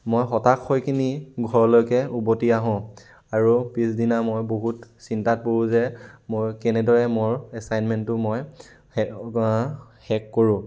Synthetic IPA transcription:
mojxɔtakʰːojkʰiniɡʱɔɹɔlojkɛubotiaɦɔ̃ | aɹupisdinamojboɦutsintat̚poɹũzɛmojkɛnɛdɔɹɛmʊɹɛsajnmɛntʊmoj | hɛkːoɹũ

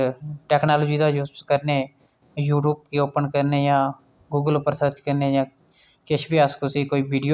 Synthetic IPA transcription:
ʈɛːknaːloːd͡ʒiːd̪aːjuːsskəɾneː | juːʈuːb̚keoːpənkəɾneːjãː | ɡuːɡəlpəɾsət̪kəɾneːjãː | keʃbiːaːskosikoːiːʋiːɖijo

